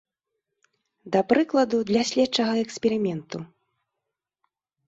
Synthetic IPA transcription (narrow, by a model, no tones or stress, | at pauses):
d̪ɐpɾɨklˠɐd̪ud̪lʲasʲlʲɛtt͡ʂɐɣɐɛksʲpʲɛɾɨmʲɛnt̪u